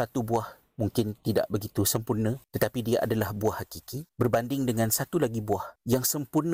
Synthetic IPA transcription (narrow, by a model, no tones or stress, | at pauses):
sat̪ubuah | mũŋkɪnt̪ida̰ʔbəɡit̪usəmpurnə̃t̪ət̪apidiaʔa̰dalahbuahːakikibərbandɪŋdəŋãnsat̪ulaɡibuahjaŋsəmpurnə